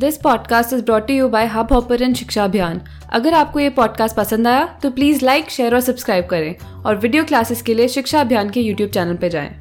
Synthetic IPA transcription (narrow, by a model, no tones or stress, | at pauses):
d̪ɪspɔːɖkaːsʈɪzbɾɔːʈːujuːbaɪɦabɔːpəɾɛ̃nʃɪkʃaɐbʱjaːn | ɐ̰ɡəɾaːp̚kojepɔːɖ̚kaːsʈ̚pɐsə̃nd̪aːjat̪opliːzlaɪkʃeːəɾɔːɾsɐbskɾaːɪb̚kɐɾẽː | ɔːɾʋɪɖijoːklaːsɪzkelieʃɪkʃaɐbʱjaːnkejuːʈjuːb̚t͡ʃɛːnəlped͡ʒa̰ːḛ̃ː